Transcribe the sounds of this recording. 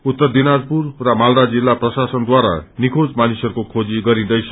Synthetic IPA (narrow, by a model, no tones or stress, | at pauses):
ut̪ːʌrd̪inad͡zpurrʌmaldad͡zilːaprʌsasʌnd̪waɾa̰nikʰod͡zmanisʌɾukokʰod͡ziɡʌɾĩd̪ʌjsʰʌ